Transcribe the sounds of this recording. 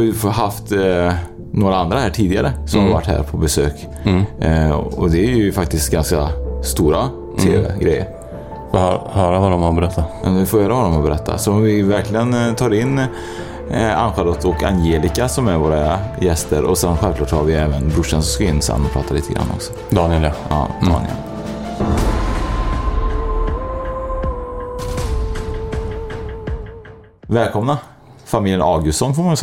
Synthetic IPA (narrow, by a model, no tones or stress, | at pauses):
ɪɦaft̪ | noːɾaand̪ɾahæːʈʰiːd̪ɪɡaɾəsɔmhaɾva̰ʈːhæ̰ːɾpʰɔbɛsø̰ːk | ɔd̪ɛæɾjɵfak̚t̪ɪst̪ɡanskast̪uːɾa | t̪ʰḛːvɛ̰ɡɾɛjːə̰ɾ | fhœːɾavadɔmabɛɾɛt̪ʰːajɑ̰mɛnʋɪfoːhœːɾavadɔmhabɛɾɛt̪ʰːa̰sɔɔmvɪvæɾklɪɡənt̪ʰɑːɾɪnː | a̰nɧaːɾɔt̪ɔkʰa̰njeːlɪkasɔmæɾvoːɾajɛst̪əɾɔsɛnɧɛlklɑːʈhaɾvɪɛːvənbɾʊʂənsɔskaɪnːsa̰nːɔpʰɾɑ̰ːt̪ʰaliːt̪ʰəɡɾa̰nːɔ̰ksɔ̥ | d̪ɑnɪɛlʔɑ̰ːd̪ɑ̰ːnɪɛ̰l | vɛːlkʰɔmna | famiːljənɑːɡʉsɔnːfoːɾmans